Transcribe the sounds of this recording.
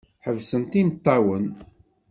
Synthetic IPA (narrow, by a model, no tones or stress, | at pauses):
ħəvsənt̪imt̪ˤːɑwən